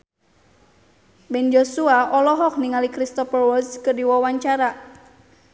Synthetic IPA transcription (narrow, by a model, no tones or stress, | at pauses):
bɛnd͡ʒosuaʔɔlɔɦɔk̚niŋalikɾist̪ɔfərwɔskɨrdiwɔwaɲt͡ʃaɾa